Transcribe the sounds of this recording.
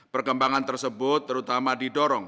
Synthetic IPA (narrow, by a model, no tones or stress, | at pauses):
pərkəmbaŋant̪ərsəbʊt̪ːəɾut̪amadiɖɔɾɔŋ